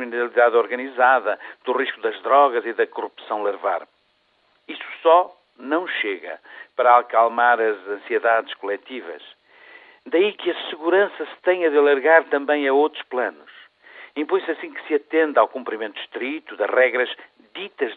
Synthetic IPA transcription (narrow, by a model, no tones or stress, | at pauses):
minɨɾɐlˠiðaðɔɾɣɐnizaðɐd̪uʁiʃkuðɐʒðɾɔɣɐziðɐkuʁupsɐ̃w̃lˠɨɾva̰ɾ | isu̥sɔ | nɐ̃w̃ʃeɣɐ̰pɐɾɐakalˠmaɾɐzɐ̃sieðaðɨʃkulˠɛt̪ivɐ̰ʃ | d̪ɐikɨɐsɨɣuɾɐ̃sɐsɨ̥t̪ɐ̃j̃ɐðɐlˠɐɾɣaɾt̪ɐ̃mbɐ̃j̃ɐowt̪ɾuʃplˠɐnuʃ | ĩpõj̃sɐsĩkɨ̥sɨɐt̪ẽnd̪awkũmpɾimẽnt̪u̥ʃt̪ɾit̪uðɐ̰ʒʁɛɣɾɐʒ | ðit̪ɐʒ